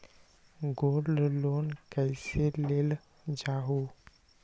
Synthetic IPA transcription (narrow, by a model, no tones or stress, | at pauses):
ɡollonkajselel | d͡ʒaɦo